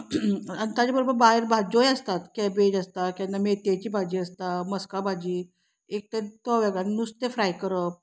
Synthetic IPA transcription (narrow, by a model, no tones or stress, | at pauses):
ənt̪ad͡ʑabəɾobəɾbaɦeɾbʱad͡ʑojəst̪at̪kɛbed͡ʑəst̪akɛnːamet̪et͡ɕiːbʱad͡ʑiːəst̪aməskabʱad͡ʑiː | ek̚t̪et̪ɔʋaɡannust̪efɾajkəɾəp̚